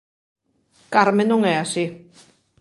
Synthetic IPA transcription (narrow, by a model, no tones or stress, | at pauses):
kaɾmenʊŋeasi